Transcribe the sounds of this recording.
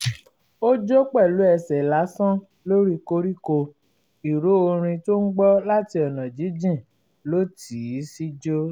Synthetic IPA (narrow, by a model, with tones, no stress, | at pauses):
o˦d͡ʒo˦k͡pɛ˦˨lu˨˦ɛ˧˨sɛ˨la˨˦sɔ̃˦ | lo˦ɾi˦ko˧˦ɾi˦ko˧ | i˨ɾo˨˦o˧ɾ̃ĩ˧to˦n̩˦ɡ͡bɔ˦la˦ti˧ɔ˨nã˨d͡ʒi˨˦d͡ʒĩ˦˨ | lo˦ti˨˦si˦d͡ʒo˦